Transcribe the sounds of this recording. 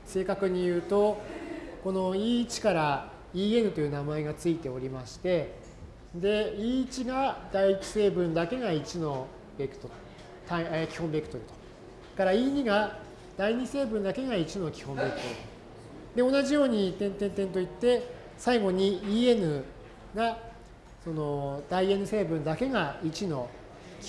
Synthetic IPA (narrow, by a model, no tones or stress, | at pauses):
se̞ːkakɯ̟ɲ̟ijɯ̟ːt̪o̞ | ko̞no̞iːit͡ɕi̥kaɾa | iːe̞nɯ̟t̪o̞jɯ̟namae̞ɡat͡sɨit̪e̞o̞ɾʲimaɕi̥t̪e̞ | d̪e̞iːit͡ɕiɡad̪aiːt͡ɕi̥se̞ːbɯ̟̃nd̪ake̞ɡait͡ɕino̞ | bʲe̞kɯ̥t̪ot̪ | t̪aekʲi̥hõ̞mbe̞kːɯ̥t̪o̞ɾɯ̟t̪o̥ | kaɾaiːɲ̟iɡa | d̪̥aiɲ̟ise̞ːbɯ̟̃nd̪ake̞ɡait͡ɕino̞kʲi̥hõ̞mbe̞kɯ̟̥t̪o̞ɾɯ | d̪e̞o̞naʑijo̞ːɲ̟it̪ẽ̞nt̪ẽnt̪ẽ̞nt̪o̞it̪ːe̞ | saiɡo̞ɲ̟iiːe̞nɯ̟ | ɡa | so̞no̞d̪̥aie̞nɯ̟se̞ːbɯ̟̃nd̪ake̞ɡait͡ɕino̞ | kʲ